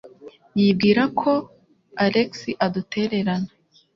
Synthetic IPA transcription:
jib̚ɡiːɾakʰo̞ | aɾeksiʔadutʰe̞ːɾe̞ɾana

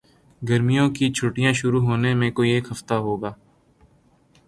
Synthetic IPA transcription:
ɡəɾmijõkit͡ʃʰʊːʈijãːʃʊɾuɦoːnemẽkoːieːkɦɐft̪aɦoːɡaː

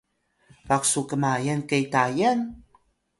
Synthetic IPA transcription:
paksukəmajankejtajan

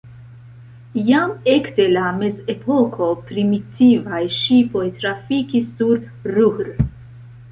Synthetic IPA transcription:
jame̞kte̞lameze̞pʰo̞kʰo̞pɾimitʰivajʃipo̞jtɾafikisːuɾ | ɾuhɾ

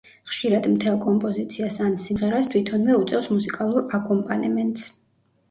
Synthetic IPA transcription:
χʃiɾad̪mt̪ʰɛlˠkʼɔmpʼɔzit̪sʰiasansimʁɛɾast̪ʰwit̪ʰɔnvɛut̪sʼɛfsmusikʼalˠuɾakʼɔmpʼanɛmɛnt̪ʼs

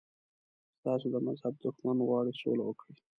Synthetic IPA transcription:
st̪ɑsod̪əmazhab̚d̪ʊxmanɣwɑɽiso̰lawəkɽi

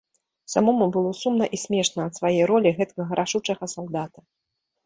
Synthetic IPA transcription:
sa̰mɔmubɨlˠɔsumnɐʔisʲmʲɛʂnɐːt̪svajejɾɔlʲiɣɛt̪kɐɣɐɾʔaʂut͡ʂɐɣɐsalˠd̪at̪ɐ

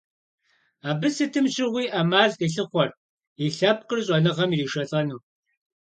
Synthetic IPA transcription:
aːbɨsɨtʰɨmɕɪʁʷiːʔɐmaːɮiɬɨχʷɔr | iːɬɐp̚qərɕ̬ʼɔnɨʁɐmiriːʃɐɬʼɐnuː

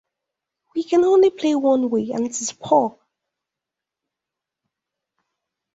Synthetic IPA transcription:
wikʰə̃nõʊ̃nlipʰl̥eɪwʌ̃nweːə̰̃nɪtɪz̥pʰɔː

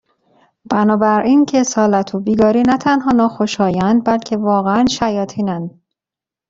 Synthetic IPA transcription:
b̥ænɒːbæɾʔiːncʰesɒːlæt̪ʰobiːɡɒːɾiːnæt̪ʰænɦɒːnɒːxoʃɒːjænd̪̚bælcʰe̞vɒːɣeænʃæjɒːt̪ʰiːnænd̪

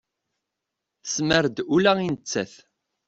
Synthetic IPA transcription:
θə̥sməɾd̪ulæinət͡sːæθ

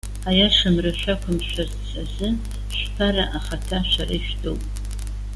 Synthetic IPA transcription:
ajaʂɨmrɨʃʷakʷʰamʃʷarzt͡sʰʼazɨ | ʃʷpʰaɾaʔaχatʰaʃʷaraʃtʰʼo̰wpʼ

